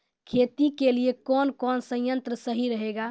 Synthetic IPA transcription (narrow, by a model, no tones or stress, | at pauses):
kʰet̪ikeliekɔnkɔnsə̃jjənt̪ɾəsəɦiɾəɦeɡa